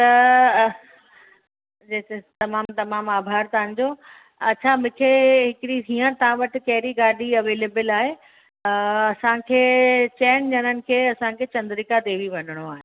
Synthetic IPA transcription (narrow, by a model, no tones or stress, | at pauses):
t̪ɐ | d͡ʑet̪ɐmaːmt̪ɐmaːmaːbʱaːɾt̪ɐɦə̃n̆d͡ʑoː | ɐt͡ɕʰamʊ̃ːkʰeɦɪkɪɽiiːə̃t̪ɐʋ̤ãʋɐʈɪ̆kɐɦɪɾiɡaːɗiɐʋeːleːbəlaːɦe | ɐsãkʰeːt͡ɕɛːnd͡ʑɐnənɪ̆kʰeːɐsãkʰeːt͡ɕɐ̃nd̪ɾikad̪eːʋiʋɐnəɽ̃oaːɦɪ